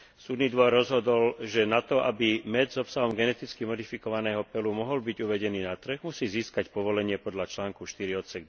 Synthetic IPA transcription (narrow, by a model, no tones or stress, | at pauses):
suːd̪niːd̪ʋɔrːɔzɦɔd̪ɔlʒɛnat̪ɔʔabimɛd͡zzɔpsaɦɔmɡɛnɛt̪it͡skimɔd̪ifikɔʋanɛːɦɔpɛlumɔɦɔlbiɟuʋɛɟɛniːnat̪r̩ɣmusiːziːskacpɔʋɔlɛɲɪɛpɔd̪ʎat͡ʃlaːŋkuʃt̪iɾiɔt̪sɛɡ̪